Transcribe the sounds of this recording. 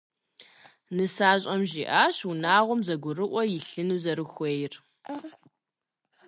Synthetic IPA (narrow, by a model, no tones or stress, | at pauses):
nɨsaːɕʼɐmʑiːʔaːɕunaːʁʷɔmzɐɡʷʊrɨʔʷɔjɪɬɨnuːzɐɾɨxʷejɪr